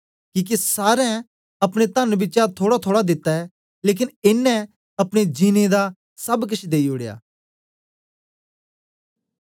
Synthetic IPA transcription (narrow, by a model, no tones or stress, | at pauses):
kiːk̬isaːɾɛ̃ | ɐpɽ̃et̪ɐ̃nbɪːt͡ʃat̪ʰoːɽat̪ʰoːɽad̪ɪt̪ːaɛ | leːk̬ɪnɪnːɛ̃ | ɐpɽ̃ed͡ʒiːned̪a | sɐbk̬ɐt͡ʃʰd̪eːioɽeja̰ː